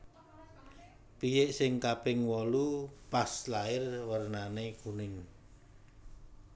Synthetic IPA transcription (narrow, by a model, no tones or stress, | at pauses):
pijɪʔsɪŋkapɪŋwɔlupaslaɪrwərnanekunɪŋ